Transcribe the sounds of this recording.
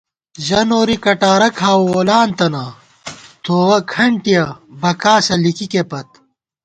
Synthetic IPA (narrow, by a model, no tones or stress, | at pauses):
ʑɐnoːɾikɐʈaːɾɐkʰaːoːlaːnt̪ɐna | t̪ʰoːɣɐkʰɐɳʈijɐbɐkaːsɐlikikepɐt̪̚